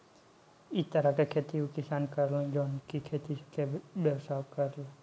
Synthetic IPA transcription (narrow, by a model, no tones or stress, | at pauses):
it̪aɾakekʰet̪iukisankaɾləŋd͡ʒɔnkikʰet̪ikebɛwsakaɾl